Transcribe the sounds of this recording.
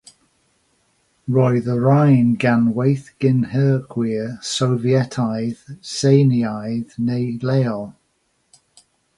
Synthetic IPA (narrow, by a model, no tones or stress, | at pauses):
ɹɔɨðəɹajnɡanwejθɡ̥ɪnhəːɡ̥wisowviɛtʰajðsejniajðnejlɛːɔlˠ